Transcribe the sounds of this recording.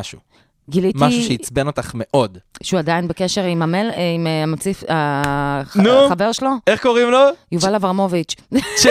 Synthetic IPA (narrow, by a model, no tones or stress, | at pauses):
aʃu | ɡilimtaʃuʃeit͡sbenot̪aχme̞ʔo̞dʃuadainbekeʃe̞ʁimamelimamot͡sifa | nuχaveʁʃeloeχkoʁimlojuvalavaʁmo̞vit͡ʃʃ